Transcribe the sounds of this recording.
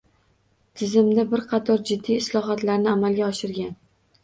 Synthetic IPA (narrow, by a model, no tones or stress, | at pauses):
t̪ʰɪzɪmd̪abɪɾqʰɑt̪ʰɒɾd͡ʒɪd̪ːiːslˠɒɦɒt̪laɾnɪamalɡʲaɒʃɪɾɡʲan